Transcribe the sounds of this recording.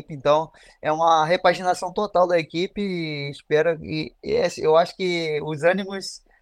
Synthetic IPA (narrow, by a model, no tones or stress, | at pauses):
ipɪẽnt̪ɐ̃w̃ | ɛũmɐɦepaʒinasɐ̃w̃t̪ot̪awd̪ɐekipɪːspɛɾɐɪesewaʃʊ̥kɪʊzɐ̃nimʊs